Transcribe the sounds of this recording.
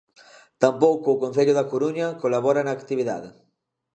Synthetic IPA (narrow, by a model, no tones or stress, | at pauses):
t̪ampowkoːkõn̟θeʎʊðakoɾuɲakolaβ̞ɔɾanaːkt̪iβ̞iða̰ðe